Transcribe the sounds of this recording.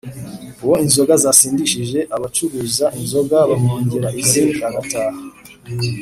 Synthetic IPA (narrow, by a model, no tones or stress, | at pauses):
uwo̞inzo̞ɡazasiːndiʃiʒe̞ʔaβat͡ʃuɾuːzaʔinzo̞ɡaβamuːɲɟiɾaʔiziaɡataːha